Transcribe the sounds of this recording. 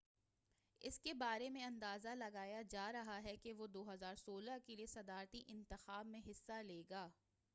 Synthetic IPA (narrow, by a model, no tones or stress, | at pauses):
ɪ̰skebaːɾemẽɐ̃nd̪aːzalɐɡaːjad͡ʒaːɾɐɦaɦɛkeʋod̪oːɦɐzaːɾsoːlakeliesɐd̪aːɾt̪iʔɪ̃nt̪ɪxaːbmẽɦɪsːaleːɡaː